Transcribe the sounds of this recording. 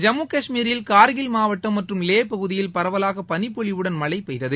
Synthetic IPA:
d͡ʒɐmːuːkɐʂmiːɾɪlkaːɾɣɪlmaːʋɐʈːɐmːɐʈrɯmleːpɐɣɯðɪjɪlpɐɾɐʋɐlaːɣɐpɐnɪpːɔɭɪʋɯɽɐnmɐɭɐɪpːɐɪðɐðɯ

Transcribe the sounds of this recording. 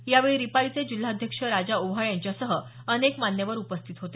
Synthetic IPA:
jaʋeɭiɾipaɭit͡sed͡ʑil̤ːaəd̪ʱjəkʂəɾad͡zaubɦaɭjaɲt͡ɕjasəɦə | ənekmanjəʋəɾupəst̪ʰit̪ɦot̪e

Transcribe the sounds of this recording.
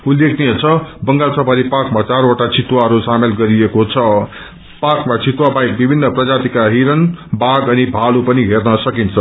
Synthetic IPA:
ulːekʰniet͡sʰʌbʌŋɡalsʰʌpaɾipakmat͡saɾoʈat͡sʰit̪waɦʌɾusamelɡʌɾiekot͡sʰʌ | pakmat͡sʰit̪wabajk̚bibʱinːʌprʌd͡zat̪ikaɦiɾʌnbaɡʌnibʱalupʌniɦernʌsʌkint͡sʰʌ

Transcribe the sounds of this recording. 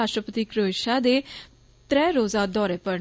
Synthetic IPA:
aːʃʈɾəpət̪iːkɾoːɪʃaːd̪eː | t̪ɾɛːɾoːzaːd̪ɔːɾeːpəɾ

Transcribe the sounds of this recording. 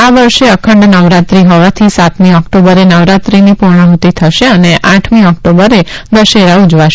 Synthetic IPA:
aʋəɾʃeəkʰəɳɖnəʋɾat̪ɾiɦɔʋat̪ʰisat̪miɔkʈobəɾenəʋɾat̪ɾinipuɾɳəɦut̪it̪ʰəʃeəneʔaʈʰmiɔkʈobəɾed̪əʃeɾaud͡ʒʋaʃ

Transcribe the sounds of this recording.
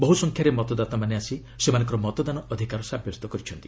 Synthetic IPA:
bɔɦusɔŋkʰjaɾemɔt̪ɔd̪at̪amaneasi | semanɔ̃ŋk̬ɔɾɔmɔt̪ɔd̪anɔʔɔd̪ʱikaɾɔsabʱjɔst̪ɔkɔɾit͡ʃʰɔnt̪i

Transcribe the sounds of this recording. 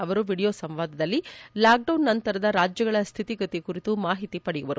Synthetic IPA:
ɐʋɐɾuʋiːɽijoːsɐmʋaːd̪ʱɐd̪ɐlːilaːk̚ɖɐwnːɐnt̪ɐɾɐd̪ɐɾaːd͡ʒjɐɡɐɭɐst̪ʰit̪iɡɐt̪ikuɾit̪umaːɦit̪ipɐɽijuʋɐɾu

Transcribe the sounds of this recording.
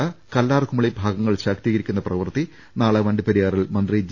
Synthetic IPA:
ɐkɐlːaːrkumːɐɭibʱaːɡɐŋːɐɭɕaːkt̪iːɣɐɾikʲːunːɐprɐʋɐrt̪i | naːɭɐʋɐɳɖɨpeɾijaːrilmɐnd̪rid͡ʑ

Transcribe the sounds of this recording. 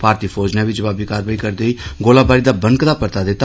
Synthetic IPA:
paːɾt̪iːpʰoːd͡ʒnaʋɪd͡ʒəʋaːbiːkaːɾʋaːikəɾd̪eiːɡoːlaːbaːɾiːd̪aːbənkd̪aːpəɾt̪aːd̪et̪a

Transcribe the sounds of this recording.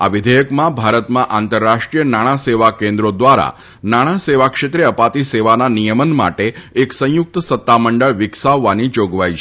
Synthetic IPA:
a̰ʋɪd̪ʱəjəkmãbʱaɾət̪mãʔant̪əɾːaʂʈɾijənaɽ̃ãseʋakẽnd̪ɾod̪ʋaɾa̰ | naɽ̃ãseʋakʂet̪ɾiəpat̪iseʋananijəmənma̰ʈeːksə̃jʊk̚t̪əsət̪ːaməɳɖəɭʋɪksaʋːanid͡ʒoɡʋajt͡ʃʰ

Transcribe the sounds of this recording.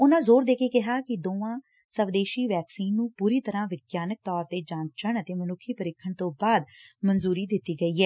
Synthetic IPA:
ʊnãːzoːɾd̪eːkeːkɪɦaːkɪd̪oːãː | səʋd̪eːʃiːʋɛːksiːnːũːpuːɾiːt̪əɾãːʋɪɡjaːnək̚t̪ɔːɾt̪eːd͡ʒaːnt͡ʃəɳət̪eːmənʊkʰːiːpəɾɪkʰːəɳt̪õːbaːd̪mənzuːɾiːd̪ɪt̪ːiːɡəiːɦɛː

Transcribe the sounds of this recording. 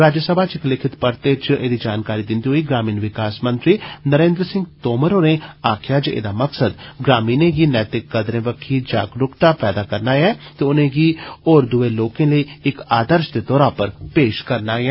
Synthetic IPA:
ɾaːd͡ʒjəsəbʱaːt͡ʃɪklɪkʰɪt̪pəɾt̪et͡ʃḛːd̪id͡ʒaːnkaːɾiːd̪ɪnd̪iɦoːiːɡɾaːmiːnʋɪkaːsmə̃nt̪ɾiːnəɾẽːnd̪ɾsɪ̃ŋɡt̪oːməɾoːneaːkʰjaːt͡ʃḛːd̪aːməksəd̪ɡɾaːmiːnẽːɡinɛːt̪ɪkːəd̪ɾẽːʋəkʰːid͡ʒa̰ːɡɾʊkt̪aːpɛːd̪aːkəɾnaːjɛːt̪eʊnẽːɡioːɾd̪ʊʋeːloːkẽːləiːɪkaːd̪əɾʃd̪et̪ɔːɾaːpəɾpeːʃkəɾnaːɛː

